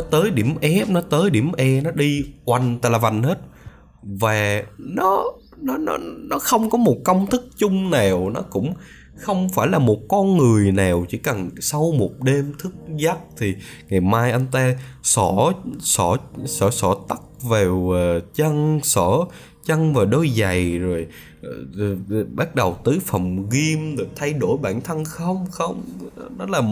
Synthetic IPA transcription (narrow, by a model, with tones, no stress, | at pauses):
ɔ˨˦t̪əː˨˦jɗi˧˩əmʔɛ˦˥p̚nɔ˨˦t̪əː˨˦jɗi˧˩əmʔɛ˧nɔ˨˦ɗi˧kwa˨˩ŋ̟t̪aː˧˩laː˨˩va˨˩ŋhe˦˥t̚ | vaː˨˩nɔ˨˦ | nɔ˨˦nɔ̰˨˦nɔ˨˦xə˧wŋ͡mkɔ˨˦mo˨˩t̚kə˧wŋ͡mt̪ʰɨ˦˥k̚t͡ɕʊ˧ŋ͡mnaː˨˩wnɔ˨˦kʊ̰˧˥ŋ͡m | xə˧wŋ͡mfaː˧˩jlaː˨˩mo˨˩t̚kɔ˧nŋɨ˨˩əjnaː˨˩wt͡ɕḭ˧˩˦kə˨˩nsa˧wmo˨˩t̚ɗe˧mt̪ʰɨ˦˥k̚zaː˦˥p̚t̪ʰi˨˩ŋa˨˩jmaː˧jʔa˧jn̟t̪aː˧sɔ˧˩˥sɔ˧˩˥sɔ˧˩sɔ˧˩t̪a˦˥k̚veː˨˩wːt͡ɕə˧ŋsɔ˧˩˥ | t͡ɕə˧ŋvaː˨˩ɗo˧jza˨˩jzo˨˩j | ɓa˦˥t̚ɗə˨˩wt̪ɨ˨˦fə˨˩mɣi˧mzo˨˩t̪ʰa˧jɗo˧˩jɓa̰ː˧˩nt̪ʰə˧nxə˧wŋ͡mxə˧wŋ͡mnɔ˨˦laː˨˩